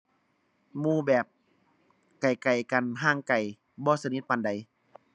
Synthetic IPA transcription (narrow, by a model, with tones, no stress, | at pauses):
muː˧˨bɛː˨˩p̚ | ka˨˩jka˨˩jka˨˩nɦaː˧˥˨ŋka˨˩j | bɔː˧˦sa˧ni˧˥t̪̚pa˧˨nda˨˩j